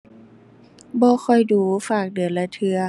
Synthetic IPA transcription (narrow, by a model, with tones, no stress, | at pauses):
bɔː˧˦xʰɔ˧˩jduː˧˦faː˨˩k̚dɯ˨˩ənla˧˦t̪ʰɯ˧ɐ